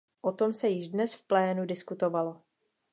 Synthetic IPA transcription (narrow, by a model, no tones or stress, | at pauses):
ʔot̪o̞msɛjɪʒdnɛsfplɛːnudɪskut̪o̞valo̞